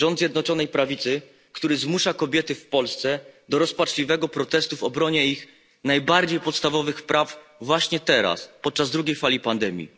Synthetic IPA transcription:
ʐɔnd̪zʲjɛd̪nɔt͡ʂɔnɛjpɾavʲit̪sɘ | kt̪uɾɘzmuʂakɔbʲjɛt̪ɘfpɔlst̪sɛd̪ɔɾɔspat͡ʂlʲivɛɡɔpɾɔt̪ɛst̪uvɔbɾɔɲɛix | najbaɾd͡ʑejpɔt̪st̪avɔvɘxpɾʔavːwaɕɲɛt̪ɛɾa̰spɔt̪̚t͡ʂazd̪ɾuɡʲejfalʲipand̪ɛmʲjḭ

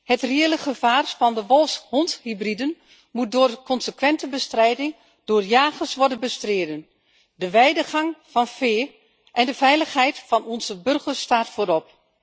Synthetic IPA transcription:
hətreːlˠəχəfaːrfɔndəʋɔlˠshɔnthibridən | mut̚doːrkʰɔnsəkʋɛntəbəstrɛjdɪŋ | d̥oːrjaːɣəsʋɔrdənbəstreːdən | dəʋɛjdəxɑŋfɔnfeː | ʔɛndəfɛjləxɦɛjtfɔnɔnzəbɵrɣəstaːrtfoːɾɔp̚

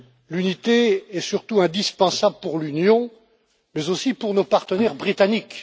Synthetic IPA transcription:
lynit̪eɛsyʁt̪uɛ̃d̪ispɑ̃sabləpuʁlynjɔ̃ | mɛzosipuʁnopaʁt̪ənɛʁbʁit̪anik

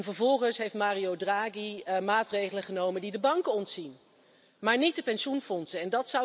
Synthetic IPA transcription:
nvəɹvɔlˠχənsɦejftmaːriowdraːɡimaːtrejχələχənowməndidəbɑŋkəɔntsin | maːɹnit̚dəpɛnʃunfɔnsəɛndɑtsʌw

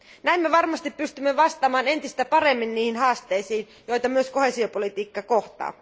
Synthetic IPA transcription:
næimːeʋɑrmɑst̪ippyst̪ymːeʋɑst̪ɑmɑːne̞nt̪ist̪æpɑre̞mːinːiːhinɦɑːst̪eisiːn | jo̞jt̪ɑmyøsko̞hesio̞polit̪iːkːɑko̞ht̪ɑ̰ː

